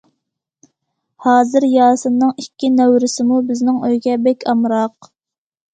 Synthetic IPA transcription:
hɑːzɪɾjɑːsɨnːɨŋikʲʰːinɛwɾɪsɪmubɪznɪŋøjɡʲɛbɛkʲʰɑmɾɑq

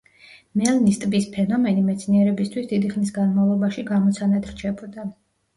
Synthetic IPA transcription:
mɛlˠnist̪ʼbispʰɛnɔmɛnimɛt̪sʰniɛɾɛbist̪ʰwisd̪id̪iχnisɡanmavlˠɔbaʃiɡamɔt̪sʰanad̪ʰɾt͡ʃʰɛbɔd̪a

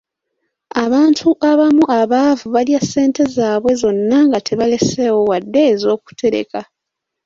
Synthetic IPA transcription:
aβaːntʰuʔaβamuʔaβaːvuβaljasːe̞ːnte̞zaːβwe̞zo̞nːaŋɡatʰe̞βale̞se̞ːwo̞wadːe̞ːzo̞ːku̥tʰe̞ɾe̞̰ka

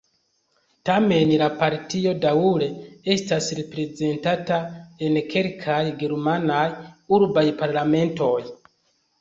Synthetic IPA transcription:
tame̞nlapaɾtio̞dauɾe̞e̞stasɾepɾe̞ze̞ntatae̞nkʰe̞lkʰajɡeɾmanajuɾbajpaɾlame̞nto̞j

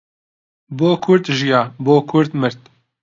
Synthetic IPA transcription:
boːkʰʊɾt̪ʒijɑːboːkʰʊɾt̪mɨɾt̪

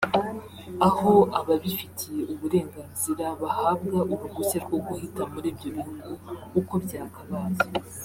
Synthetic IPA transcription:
aho̞aβaβifitʰije̞ʔuβuɾe̞ːŋɡaːnziɾaβahaːbɡaʔuɾuɡuse̞ɾɡo̞ɡuhitamuɾiːbɟo̞βihuɡuuko̞bjaːkaβaːze

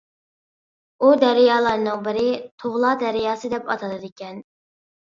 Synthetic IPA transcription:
ud̪æɾɪjɑːlˠɑɾnɨŋbɪɾɪt̪ʰoʁlˠɑd̪æɾɪjɑːsɨd̪ɛpɑt̪ʰɑd̪ɨd̪ɪkʲɛn

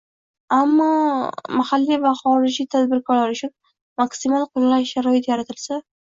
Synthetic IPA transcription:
amːɒmahalːivaχɒɾɪd͡ʒit̪ʰad̪bɪɾkʰɒɾlaɾʊt͡ʃʰʊn | maksɪmalˠqʰɨnlaʃːaɾɒjɪt̪jaɾat̪ʰɪlsa

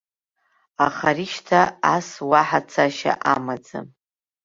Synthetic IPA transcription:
aχaɾiʃtʰaaswaħat͡sʰaʃa̰ʔamad͡za̰

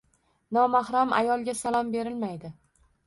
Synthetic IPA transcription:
nɒmahɾamʔa̰jɒlˠɡʲasalˠɒmbe̞ɾɪlmajd̪ɪ

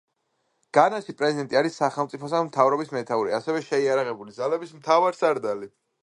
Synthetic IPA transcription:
ɡ̥anaʃipʼɾɛzid̪ɛnt̪ʼiaɾisːaχɛlˠmt̪sʼipʰɔsamt̪ʰavɾɔbismɛt̪ʰauɾiasɛvɛʃɛiaɾaʁɛbulid̪zalɛbismt̪ʰavaɾsaɾd̪ali

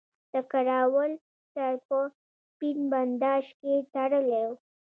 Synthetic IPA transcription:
d̪̥əkaɾɑwəl | t̪əɾpə | spinband̪ɑʃket̪aɽəlew

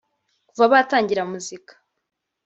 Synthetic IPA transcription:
kuvaβataːɲɟiɾamuzikḁ

